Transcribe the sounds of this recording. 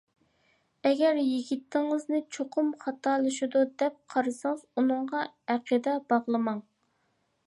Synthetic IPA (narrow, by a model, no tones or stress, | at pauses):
ɛɡʲɛɾjiɡʲit̪ʰːɪŋɨznɪt͡ʃʰoqʰʊmχɑt̪ʰɑːlˠɨʃid̪ud̪ɛp̚qʰɑɾɨsɨŋəzunɨɴʁɑæqʰəd̪ɛbɑʁlˠɨmɑŋ